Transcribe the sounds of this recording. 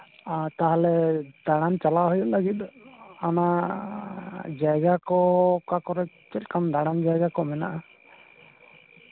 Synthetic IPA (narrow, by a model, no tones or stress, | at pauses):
t̪aɦalɛd̪̥aɽ̃ant͡ʃalaɦujuʔlaɡit̪̚ana | d͡ʒajɡakɔkakɔɾɛ | t͡ʃɛtkamd̪aɽ̃and͡ʒajɡakɔmɛna̰ʔa